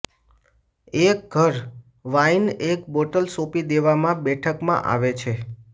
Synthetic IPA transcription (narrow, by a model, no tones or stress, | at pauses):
ek̚ɡʱəɾ | ʋainekboʈəlsõpid̪eʋamãbɛʈʰəkmã̰ʔa̰ʋet͡ʃʰe